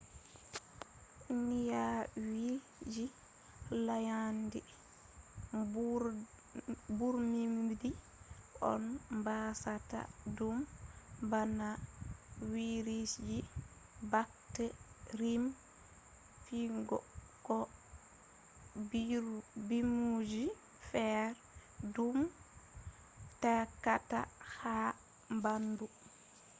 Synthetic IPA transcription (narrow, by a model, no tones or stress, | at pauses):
nijawi | d͡ʒi | lajandi | buɾmimmdi | ʔɔ̰nmbasata̰dumbana | wiɾisd͡ʒi | bak̚tɛɾim | fiŋɡɔ̰ | kɔ | bimud͡ʒi | fɛɾ | dum | takːata̰ha | mbandu